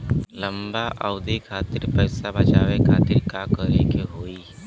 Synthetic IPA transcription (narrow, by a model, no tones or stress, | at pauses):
lɐmbaʔaʊd̪ikʰaːt̪ɪɾpɛːsabɐt͡ʃaːʋekʰaːt̪ɪɾkakəɾekeɦoːiː